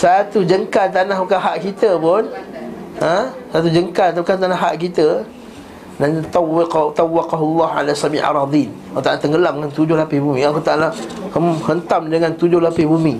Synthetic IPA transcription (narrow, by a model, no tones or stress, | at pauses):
sat̪ud͡ʒəŋkalt̪̬anahbukaɦaʔkit̪əpʊn | əsat̪ud͡ʒəŋkalt̪kant̪anaɦaʔk̬it̪ə | nant̪t̪awːɑqaɦulːɑha̰lasamiʔa̰ɾˤɑd̪in | t̪aʔlat̪əŋɡəlaməŋant̪ud͡ʒʊhlapɪbumĩakut̪aʔlahəmhənt̪amdəŋant̪ud͡ʒʊhlapɪhbumi